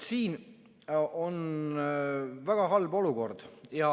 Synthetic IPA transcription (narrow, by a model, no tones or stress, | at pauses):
siːn | o̞n | væɡ̥ɑɦɑlbo̞luko̞rd̪̥jɑ